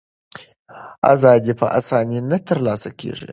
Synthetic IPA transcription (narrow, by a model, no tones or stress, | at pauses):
ʔa̰zaːd̪ipɐʔa̰saːninɐt̪ɨɾlaːsɐkʲʰḛːʐḭ